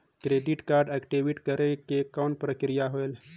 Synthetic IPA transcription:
kɾeːɖiʈkaːɾɖeːkʈiʋiʈkɐɾekekaːn̚pɾəkɾijaɦoel

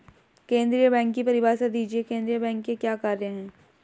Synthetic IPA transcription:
kẽːnd̪ɾijəbɛ̃ːŋkːipɐɾɪʋaːɾsed̪iːd͡ʒiekẽːnd̪ɾijəbɛ̃ːŋkːekjaːkaːɾjəɦɛ̃ː

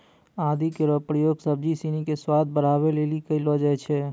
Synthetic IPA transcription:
ad̪ikeɾɔpɾəjoːɡsəb̚d͡ʒisinikeswad̪̚ʱbəɽ̤aβelelikəilɔd͡ʒaɛt͡ʃʰɛ

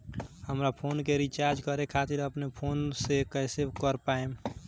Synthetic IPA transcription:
həmɾapʰoːnkeɾit͡ʃaːɾd͡ʒkəɾekʰaːt̪ɪɾəpnepʰoːnsekəɪsekəɾpaem

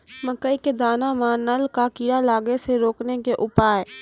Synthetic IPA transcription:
məkəiked̪aːnamãnəlkakiːɾalaːɡeseɾoːknekeʔʊpaːe

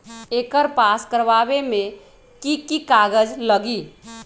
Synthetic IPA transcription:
eːkəɾpaskəɾʋabemẽ | kikikaɡəd͡ʒləɡi

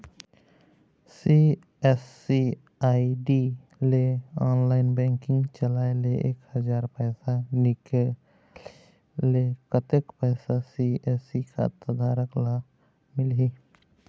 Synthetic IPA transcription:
si | ɛs | i | aːiɖi | leɔːnlaːɪnbɛ̃ːŋkɪ̃ŋɡt͡ʃəlaːeleʔḛːkhəd͡ʒaːɾpɛːsanɪk | lekət̪ekpɛːsasieːsikʰa̰t̪əd̪aːɾəkla | mɪlɦi

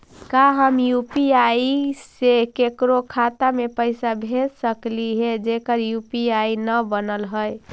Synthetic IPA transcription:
kaɦəmjupiaisekekɾokʰat̪amepəɪsabʱelsəkliɦed͡ʒekəɾjupiainəbənəlɦəj

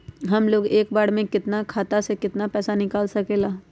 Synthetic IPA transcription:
ɦɐmloːɡeːkbaːɽ̤mẽkɪt̪nakʰaːt̪asekɪt̪napɛːsanɪkaːlsɐkeːlaː

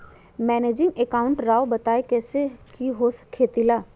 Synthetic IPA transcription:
mɛːneːd͡ʒɪ̃ŋɡekaːʊ̃ɳʈɾaːobɐt̪aːekɛːsekiɦoːskʰːeːt̪ilaː

